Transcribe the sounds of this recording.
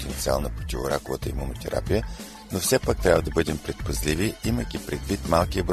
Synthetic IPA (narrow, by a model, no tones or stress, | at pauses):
t̪ɛnt̪sia̰lˠnəpɾot̪ʲivoɾakovət̪əimunot̪ɛɾʔa̰pijə | nofsɛpak̚t̪ɾʲabvəd̪ɐbɤd̪ɛmpɾɛt̪̚pɐzlʲiviiməjkʲipɾɛd̪vit̪malˠkiəbɾ